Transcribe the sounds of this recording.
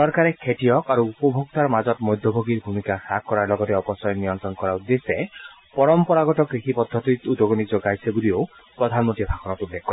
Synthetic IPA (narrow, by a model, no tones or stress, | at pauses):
ssɔɾkaɾekʰeʈijɔkaɾuupɔbʱok̚t̪aɾmad͡ʒɔt̪mɔjd̪ʱjɔbʱoɡiɾbʱumikasakkːɔɾaɾlɔɡɔt̪eɔpɔsɔjɔnijɔnt̪ɾɔnɔkɔɾaud̪ese | pɔɾɔmpɔɾaɡɔʈɔkɾikʰipɔd̪ʱːɔt̪it̪ud̪ɔɡɔnid͡ʒoɡajsʰebulio | pɾɔd̪ʱanmɔt̪ibʰʱakʰɔnɔt̪ulːek̚ʰːkːɔɾe